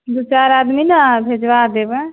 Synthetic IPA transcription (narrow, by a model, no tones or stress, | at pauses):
d̪ut͡ʃaɾad̪minəbʱed͡ʒwad̪ebə